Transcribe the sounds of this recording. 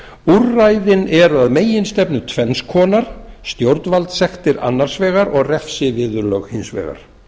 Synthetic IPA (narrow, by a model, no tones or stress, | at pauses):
urːajðɪnɛɾaðmeːjɪnst̪ɛpnʏt̪ʰvɛnskʰɔːnaɾ̥st̪jowɾt̪nvalt̪sɛxt̪ɪɾa̰nːaɾ̥svɛːɣaɾɔɣrɛfsɪvɪːðʏɾlœɣhinsvɛ̰ːɣa̰ɾ̥